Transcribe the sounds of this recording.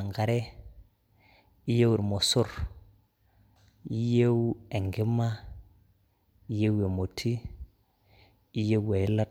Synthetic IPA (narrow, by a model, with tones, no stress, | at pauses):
ŋɡa˨ɾe˦ | i˦je˦wu˨ɾmo˨sʊ˦ɾ | i˦je˦we˨ŋɡɪ˦ma˦ | i˦je˦we˨mo˨tʰi˦ | i˦je˦we˨˦la˦